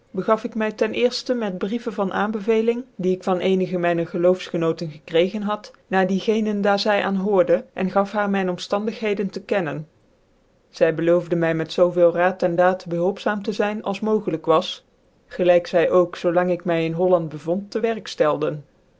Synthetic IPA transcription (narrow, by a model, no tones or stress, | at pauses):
bəɣɑfɪkmɛjtɛnʔɪːɹstəmɛd̚brivəvɑnʔa̰ːmbəvejlɪŋdiɪkfɑnʔejnəɣəmɛjnəχəlowfsχənowtənχəkrejχənɦɑt | naːɹdiɣejnəndaːɹzɛjʔa̰ːnɦʊːɹdəʔɛ̰nχɑfɦaːɹmɛjnɔmstɑndəχɦejdəntəkɛnən | z̥ɛjbəlowvdəmɛjmɛtsowvɪːlˠraːtɛndaːtbəɦɵlˠpsaːmtəzɛjnɑ̰lˠsmowχələkʋɑs | χəlɛjksɛjʔowksowlɑŋɪkmɛjɪnɦɔlɑndbəvɔntːəʋɛɹkstɛlˠdən